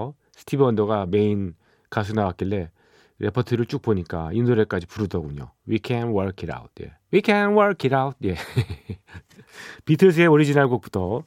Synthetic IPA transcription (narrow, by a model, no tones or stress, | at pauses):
sʰɯ̥tʰibʌndoɡame̞in | kas̬ʰunawak͈iɭːe̞ | ɾe̞pʰʌtʰɯɾɯɭt͡ɕ͈uk̚poɲik͈a̰inoɾek͈ad͡ʑipuɾudʌɡuɲo̰wikʰɛnwʌɭkʰiɾa̰wt̚ʰjḛwikʰɛnwʌɭkiɾawut̚ʰje̞ | pitʰɯs̬ʰɯeoɾid͡ʑinaɭɡok̚p͈u̥tʰʌ